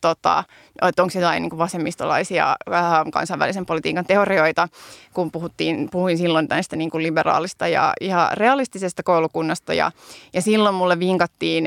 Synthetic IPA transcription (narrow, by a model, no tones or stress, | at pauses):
t̪ot̪ɑ̰ | oet̪ːoŋksjot̪ɑiniːŋkuʋʋɑsemːist̪olɑ̰isiɑ̰kɑ̰nsɑiʋæ̰lisempolit̪ḭːkɑnt̪eorioit̪ɑkumpuhut̪ːiːnpuhuinsilːont̪ænst̪æniːŋkuliberɑ̰ːlist̪ɑjɑ̰ihɑreɑlist̪isest̪ækoulukunːɑst̪ɑ̰jɑ̰jɑsilːommulːeʋʋiŋkɑt̪ːiːn